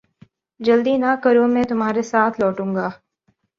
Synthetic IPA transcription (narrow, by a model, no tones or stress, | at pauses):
d͡ʒɐld̪inakɐɾõmɛ̃ːt̪ʊmɦaːɾesaːt̪ʰlɔːʈũːŋɡaː